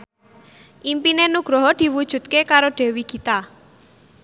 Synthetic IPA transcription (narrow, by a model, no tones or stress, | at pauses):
ʔimpinenuɡ̥ɾɔɦɔd̪̥i̤wud̥ʒ̥ṳt̪̚kekaɾoɖ̥e̤wikit̪a